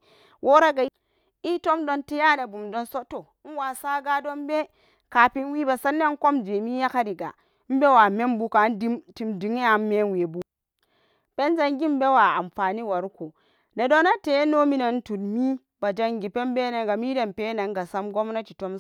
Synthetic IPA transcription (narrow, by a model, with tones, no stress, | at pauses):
wʔo˦ɾa˦ɡa˨˦ | i˦to˦mdo˦nti˦ja˦na˨bu˨mdo˦nso˦to˨˦n̩˦wa˨sa˦ɡa˦do˦nbe˦ | ka˨pi˦nwi˦ba˨sa˦nːa˦n˦ko˦md͡ʒe˨mi˦ja˦ka˦di˨ɡa̰˨˦ | m̩˦be˦wa˨me˦mbu˦ka˨˦di˦mti˨mdi˨˦ŋe˦a˨m˦me˦n˦we˨bu˦ | pe˦n˦za˦ŋɡi˦m˦be˦wa˨a̰˨mfa˨ni˦wa˨ɾu˦ko˨ | na˨do˦na˦te˦no˦mi˦na˨n̩˦tu˨dmi˦ | ba˨d͡ʒa˦ŋɡi˨pe˦m˦be˦na˨ɡa˨mi˦de˨m˨pe˦na˨ŋɡa˨sa˦mɡo˦mna˦t͡ʃi˨to˦m